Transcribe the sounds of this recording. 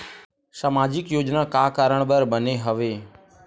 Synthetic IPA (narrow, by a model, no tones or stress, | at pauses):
saːmaːd͡ʒɪkjoːd͡ʒnakaːkaːɾəɳ̃bəɾɓəneɦəʋeː